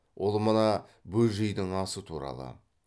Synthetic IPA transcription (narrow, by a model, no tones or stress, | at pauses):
wʔo̞lˠmənɑbɵlʒɪjd̪ɪŋɑsət̪ʰuɾɑ̰lˠə̰